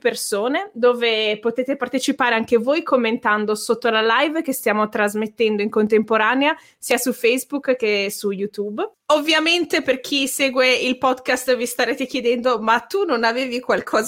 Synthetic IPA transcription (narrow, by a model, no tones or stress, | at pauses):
persoːned̪oːvepot̪eːt̪epart̪et͡ʃipaːɾeaŋkevojkʰomːent̪and̪osot̪ːolalajvk̟est̪jaːmot̪ɾazmet̪ːɛnd̪oiŋkont̪empoɾaːnea | siːasufɛjzbukkːesujut̪ubovːjament̪eperk̟ʰiseːɡweilpɔd̪kast̪vist̪aɾeːt̪ek̟jed̪ɛnd̪omat̪ːunonaveːvikwalkʰɔːz